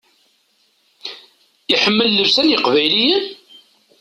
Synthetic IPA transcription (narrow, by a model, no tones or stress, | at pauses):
iħəmːəlːəvsænjəqvæjlijən